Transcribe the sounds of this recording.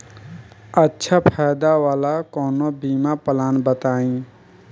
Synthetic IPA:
ətːʃʰapʰaːjd̪aʋaːlakɔːnobiːmapəlaːnbət̪aːĩ

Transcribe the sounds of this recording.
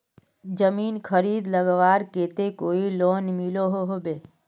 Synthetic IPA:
d͡ʒəmiːnkʰəɾiːd̪ləɡʋaːɾkeːt̪ekoːiloːnmiloɦoɦobeː

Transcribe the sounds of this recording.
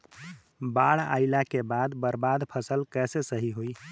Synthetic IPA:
baɽa̰ɪlakebad̪bəɾbad̪pʰəsəlkɛsesəɦiɦoj

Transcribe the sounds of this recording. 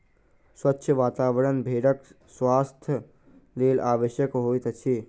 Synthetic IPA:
swətːʃʰəʋaːt̪aːʋəɾənbʱeːɖək | swaːst̪ʰj | leːlaːʋəʃjəkɦoːit̪ət͡ʃʰi

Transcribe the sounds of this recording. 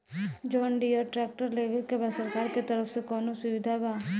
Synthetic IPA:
d͡ʒɔːnɖiɔːɾʈɾɛːk̚ʈəɾleːʋekebaːsəɾkaːɾket̪əɾəfsekɔːnosʊʋɪd̪ʱabaː

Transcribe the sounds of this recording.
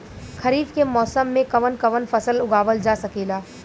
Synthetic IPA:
kʰɐɾiːbkemɔːsəmːẽkɐʋənkɐʋənfɐsəlʊɡaːʋəld͡ʒaːsɐkeːlaː

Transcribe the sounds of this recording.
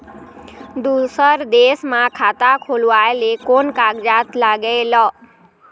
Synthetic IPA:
d̪usəɾd̪esmãkʰat̪akʰolʋaelekonkaɡd͡ʒat̪laɡəlɔ

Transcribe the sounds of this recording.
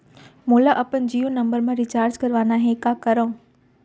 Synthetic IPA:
mõlaʔɐpənd͡ʑiːũnɐ̃mbəɾmãɾit͡ɕaːɾd͡ʑkɐɾʋaːnaːɦẽkaːkɐɾə̃ː

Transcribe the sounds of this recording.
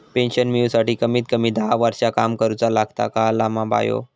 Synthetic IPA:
penɕənmjuwsaʈiːkəmiːt̪̚kəmiːd̪ʱaaʋaɾt͡ɕakamkəɾut͡salaɡt̪a̰kalamaba̰jo̰

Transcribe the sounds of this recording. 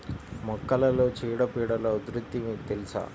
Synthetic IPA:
mɔkːɐlɐloːt͡ʃiːɽɐpiːɽɐlɐud̪ɾut̪ːimiːt̪elisa̰ː

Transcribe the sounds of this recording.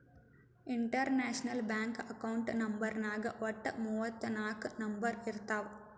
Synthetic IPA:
iɳʈɐɾnaːʂnɐlbaːŋkɐkɐwʊɳʈnɐmbɐɾnaːɡɐʋɐʈːɐmuːʋɐt̪ːɨnaːknɐmbɐɾɪɾt̪aːʋ

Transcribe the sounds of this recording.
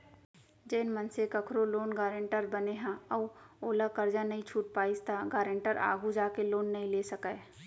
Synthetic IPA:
d͡ʒeːnmənsekəkʰɾoloːnɡaːɾə̃ɳʈəɾbəneɦãəːoːlakəɾd͡ʒanɐɦĩt͡ʃʰuːʈ̚paːɪst̪ʰaɡaːɾə̃ɳʈəɾʔa̰ːɡʱud͡ʒaːkeloːnːɐɦĩleːsəka

